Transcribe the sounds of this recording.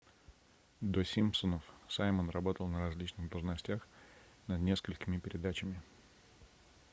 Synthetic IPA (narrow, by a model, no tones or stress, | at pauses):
d̪osʲimpsonəfsajmənrɐbo̞t̪əlˠnəɾɐzʲlʲit͡ɕnɨɣd̪əlˠʐnɐsʲtʲax | nɐd̪nʲe̞skəlʲkʲɪmʲɪpʲɪɾʲɪd̪at͡ɕɪmʲɪ